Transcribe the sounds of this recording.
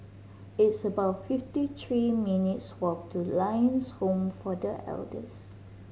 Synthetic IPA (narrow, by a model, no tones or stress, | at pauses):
ɪtsəbaʊtfɪftit̪ɹiminitswɔk̚tʰulãjə̃nshõmfɔdəʔɛ̰ldə̰s